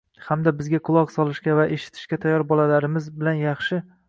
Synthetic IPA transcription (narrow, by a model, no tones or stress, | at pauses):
hamd̪abɪzɡʲaqʰʊlˠɒqsɒlˠɪʃkʲavaʔe̞ʃɪ̥t̪ʰɪ̥ʃkʲat̪ʰajːɒɾbɒlalaɾɪmɪzbɪlanjɑχʃɪ